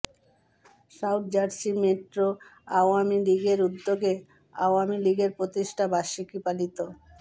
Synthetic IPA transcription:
sawʈ̚d͡ʑaɾsimeʈɾoaoamiliɡeɾud̪ːoɡe | a̰oamiliɡeɾpɾot̪iʃʈʰabaʃikipalit̪o

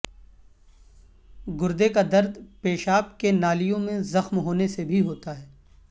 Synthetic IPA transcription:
ɡʊɾd̪ekad̪ɐɾd̪peːʃaːpkenaːlijõmẽzɐxmɦoːnesebʱiɦoːt̪aɦɛː

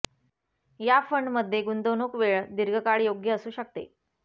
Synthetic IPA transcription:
jafəɳɖməd̪ʱːjeɡund̪onuːkʋeɭd̪iɾɡʱəkaɭijoɡjəəsuːɕək̚t̪ḛ

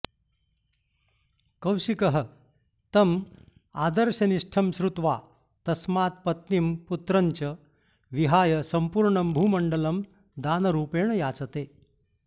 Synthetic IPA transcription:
kɐwɕikɐɦə | t̪ɐm | ad̪əɾɕɐniʂʈʰɐmsɾut̪ʋaː | t̪ɐsmaːt̪̚pɐt̪nimput̪ɾɐɲt͡ɕɐ | ʋiɦaːjɐsɐmpuɾɳəmbʱuːmɐɳɖələm | d̪aːnɐɾuːpeːɳjaːt͡sɐt̪e

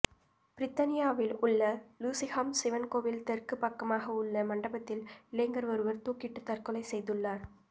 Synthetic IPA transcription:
b̥ɪɾɪt̪ːɐnɪjaːʋɪlʊɭːɐluːsɪhaːmsɪʋɐnkoːʋɪlt̪ɛrkɯpːɐkːɐmaːɣɐʊɭːɐmɐɳɖɐbɐt̪ːɪlɪlɐɪŋɡɐɾʋɐɾɯʋɐɾt̪uːkɪʈːɯt̪ːɐɾkɯlɐɪsɛjðɯɭːaːɾ

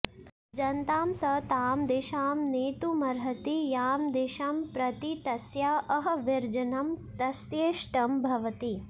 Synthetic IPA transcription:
d͡ʒɐnt̪aːmsɐt̪aːmd̪iʃaːmneːt̪umɐɾɦɐt̪ijaːmd̪iʃɐmpɾɐt̪it̪ɐsjaːʔɐɦɐʋiɾd͡ʒɐnɐmt̪ɐsjeːʃʈɐmbʱɐʋɐt̪i

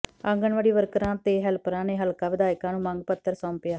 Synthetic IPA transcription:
əŋɡəɳʋəɽiːʋəɾkəɾãːt̪eːɦɛlpɾãːneːɦəlkaːʋɪd̪aːɪkãːnũːmãŋɡ̚pət̪ːəɾsɔ̃ːmpɪjaː

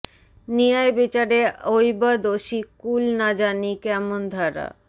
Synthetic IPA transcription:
niajbit͡ɕaɾeojbad̪oʃikulnad͡ʑanikɛmond̪ʱaɾa̰

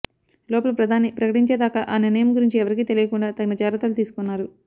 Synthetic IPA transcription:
lɔːpɐlɐpɾɐd̪ʱaːnipɾɐkɐʈiɲt͡ʃeːd̪aːkaʔaːninɐjɐmɡuɾiɲt͡ʃiɛʋɐɾikiːt̪e̞lijɐkuɳɖaːt̪ɐnɐt͡ʃaːɾɐt̪ɐlut̪iːsu̥kunːaːɾu

